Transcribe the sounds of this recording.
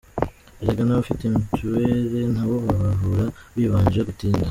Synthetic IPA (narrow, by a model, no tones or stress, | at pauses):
eɾeɡanaβufitemituweɾe̞n̥haːβoβaβaɦuɾaβiːβaːɲd͡ʒiɾeɡutiːnda